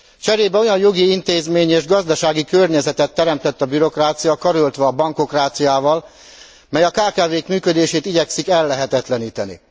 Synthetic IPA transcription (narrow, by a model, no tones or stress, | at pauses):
t͡ʃɛɾeːbɛo̞jɒjjo̞ɡiint̪eːzmeːɲeːʒɡɒzd̪ɒʃaːɡikørɲɛzɛt̪ɛt̪ːɛɾɛmt̪ɛt̪ːɒbyɾo̞kraːt̪sijɒkɒɾølt̪ʋɛɒbɒŋko̞kraːt̪sijaːvɒl | mɛjɒkaːkaːveːkmyːkød̪eːʃeːt̪iɟɛksikɛlːɛɦɛt̪ɛt̪lɛniːt̪ɛnḭ